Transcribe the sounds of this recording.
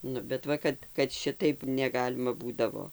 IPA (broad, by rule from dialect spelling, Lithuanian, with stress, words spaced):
ˈnʊ bʲɛt ˈʋɐ kɐt kɐt ˈʃʲɪtɐɪp nʲɛˈɡɑːlʲɪmɐ ˈbuːdɐʋoː